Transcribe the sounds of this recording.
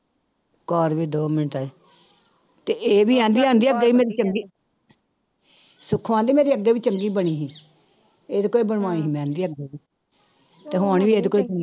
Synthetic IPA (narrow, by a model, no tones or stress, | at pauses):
kɔːɾʋiːd̪oːmɪnəʈ̪a | t̪eːʔeːʋiːãːnd̪iːãːnd̪iːək̚d̪eːiːmeːɾiːt͡ʃəŋɡiː | sʊkʰːʋãːnd̪iːmeːɾiːəɡːeːʋiːt͡ʃəŋɡiːbəɽ̃iːɦĩː | eːd̪ekoːiːbəɳʋãːiːɦiːmɛ̃ːnd̪iːək̚d̪eːiː | t̪eːɦoɳʋiːeːd̪eːkoːiːb